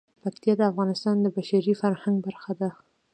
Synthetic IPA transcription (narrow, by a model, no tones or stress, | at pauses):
pakt̪ijɑd̪əafɣɑnɪst̪ɑnd̪əbaʃaɾifaɾhaŋɡ̚baɾxad̪a